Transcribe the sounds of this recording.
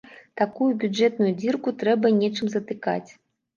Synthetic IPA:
t̪akujubʲud͡ʐɛt̪nujud͡zʲirkut̪ɾɛbɐnʲɛt͡ʂɨmzɐt̪ɨka̰t͡sʲ

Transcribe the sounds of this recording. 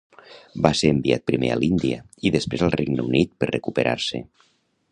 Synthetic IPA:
baseɾəmbiat̪̚pɾimeəlind̪iə | iðəspɾezəlˠreɡnəunit̪pəɾrəkupəɾʔa̰ɾse

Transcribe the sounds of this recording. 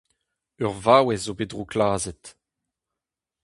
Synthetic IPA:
œʁvaːwɛzobedʁoklaːzɛt

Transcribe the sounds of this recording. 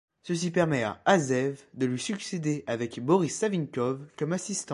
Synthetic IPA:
səs̬ipɛʁmɛa̰azɛvd̪əlɥisyksed̪eʔavɛkbɔʁisːavinkɔvkɔmasist̪ɑ̃

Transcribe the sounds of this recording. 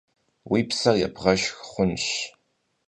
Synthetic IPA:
wiːpsɐrjɛ̰bʁɐʃxχʷʊnʃ

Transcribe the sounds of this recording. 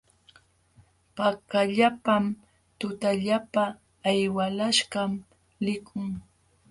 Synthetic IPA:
pakaʎapam | t̪ʊt̪aʎapaː | jwalaʃɢɑm | lɪkʰʊŋ

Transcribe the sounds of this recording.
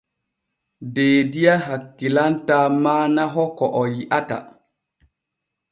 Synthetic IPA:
beːdijaɦakːilantamaːnaɦɔkɔʔɔjiʔata̰

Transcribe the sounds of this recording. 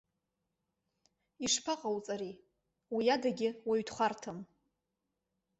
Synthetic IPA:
iʂpʰaqʼawt͡sʼaɾi | wijadaɡʲɪwaɥtʰχʷartʰɨm

